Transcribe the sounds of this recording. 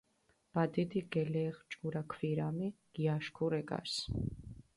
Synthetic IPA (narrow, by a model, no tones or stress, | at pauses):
b̥ad̪id̪iɡɛlɛːχt͡ʃʼuɾakʰviɾamiɡ̥iaʃkʰuɾɛɡa̰s